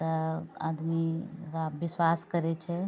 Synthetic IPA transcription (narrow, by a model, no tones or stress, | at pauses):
t̪əad̪miɾabiswaskəɾɛt͡ʃʰɛ